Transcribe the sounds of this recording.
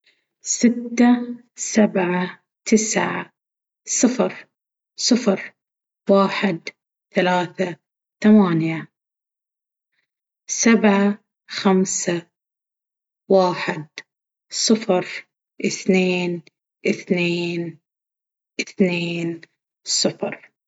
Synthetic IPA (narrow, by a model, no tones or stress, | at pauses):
sɪt̪ːa | sabʕa | t̪ʰɪsʕa | sˤɨfɾ | sˤɨfɾ | waːħɪd̪ | θalaːθa | θamaːnja | sabʕa | xamsa | waːħɪd̪ | sˤɨfɾ | ʔɪθneːn | ʔɪθneːn | ʔɪθneːn | sˤɨfɾ